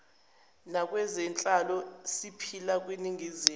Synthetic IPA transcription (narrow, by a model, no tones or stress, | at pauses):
nakʼwɛzɛnt͡ɬʼalɔsipʰilak̬ʼweniŋʱizi